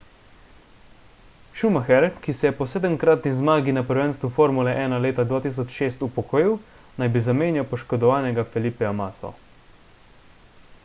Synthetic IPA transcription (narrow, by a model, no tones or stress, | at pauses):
ʃumaxɛɾkisɛjɛpɔsɛːd̪əmkɾaːt̪nizmaːɡinapəɾʋɛnst̪ʋufoːɾmulɛʔɛːnaleːt̪ad̪ʋaːt̪iːs̬ɔt͡ʃʃeːst̪upɔkoːjiw | najbizameːnjawpɔʃkɔd̪ɔʋaːnɛɡafɛlipɛamaːsɔ̰